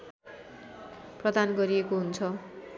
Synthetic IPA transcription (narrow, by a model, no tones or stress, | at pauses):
prʌd̪anɡʌɾiekoɦunt͡sʰʌ